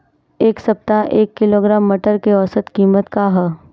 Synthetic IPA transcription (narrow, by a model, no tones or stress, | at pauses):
eːksɐp̚t̪aʔeːkːɪloːɡɾaːmːəʈəɾkeɔːsət̪kiːmət̪kaɦɛ